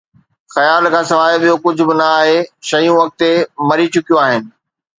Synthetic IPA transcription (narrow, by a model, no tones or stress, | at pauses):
xɐjaːlkʰãːsɐʋaːɓijokʊd͡ʑʱʊbɪnɐaːɦeʃɐjũʋɐk̚t̪emɐɾit͡ɕʊkijõaːɦɪnɪ̆